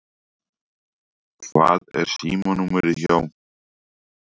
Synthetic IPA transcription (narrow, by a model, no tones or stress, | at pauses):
kʰva̰ːðɛ̰ɾ̥siːmanumɛɾɪçawn